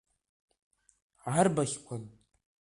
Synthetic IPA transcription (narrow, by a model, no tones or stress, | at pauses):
ʕarbaχʲkʷʰan